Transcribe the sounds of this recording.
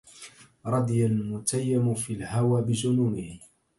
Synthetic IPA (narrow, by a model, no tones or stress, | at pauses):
ɾˤɑd̪jalmʊt̪ajːamʊfiːlhawaːbɪd͡ʒʊnuːmɪh